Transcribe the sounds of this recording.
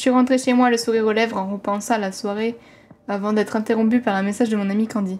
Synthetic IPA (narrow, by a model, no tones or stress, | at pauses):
sɥiʁɑ̃t̪χeʃemwaləsuʁiʁolɛvʁɑ̃ʁəpɑ̃sɑ̃alaswaʁe | avɑ̃d̪ɛt̪χɛ̃t̪eʁɔ̃p̬ypaʁɛ̃mɛsaʒd̪əmɔ̃namikɑ̃d̪i